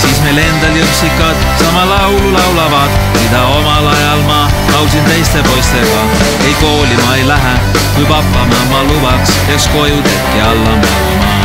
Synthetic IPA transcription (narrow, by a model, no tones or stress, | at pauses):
siːsme̞jle̞nd̪̥ɑljusikːˑɑd̪̥sɑmɑlɑwlulɑwlɑvɑd̪̥ | mid̪̥ɑo̞mɑlɑjɑlmɑ | nɑw̪sint̪e̞jst̪e̞po̞jst̪e̞ɡɑ | e̞jko̞ːlimɑejlæɦæ | kujpɑpːˑɑmɑmɑlubɑks | e̞ksko̞jut̪ep̚kiɑlːɑmu | imɑ